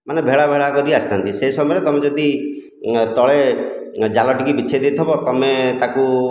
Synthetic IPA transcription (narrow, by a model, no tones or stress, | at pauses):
manebʱeɭabʱeɭakɔɾiast̪ant̪iseisɔmɔɾet̪ɔmed͡ʒɔd̪i | t̪ɔɭe | d͡ʒalɔʈikibit͡ʃʰed̪et̪ʰɔbɔt̪ɔmet̪aku